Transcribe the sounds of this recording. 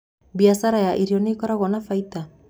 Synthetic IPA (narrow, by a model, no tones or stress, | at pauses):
biasaɾajaʔiɾionikɔɾaɣɔnafajt̪a